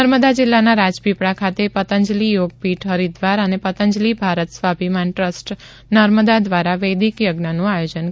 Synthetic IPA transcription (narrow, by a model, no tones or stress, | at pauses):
əɾməd̪ad͡ʒɪlːanaɾad͡ʒpipɽakʰat̪epət̪əɲd͡ʒlijoɡ̚piʈɦəɾid̪ʋaɾənepət̪əɲd͡ʒlibʱaɾət̪sʋabʱimanʈɾəsʈ | nəɾməd̪ad̪ʋaɾaʋəjd̪ikjəɡnənũajod͡ʒən